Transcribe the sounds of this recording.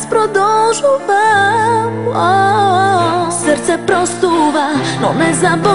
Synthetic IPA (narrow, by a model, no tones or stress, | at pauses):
spɾɔd̪ɔlʒuvamɔ | sɛɾt̪sɛpɾɔst̪uvanɔnɛzabɔ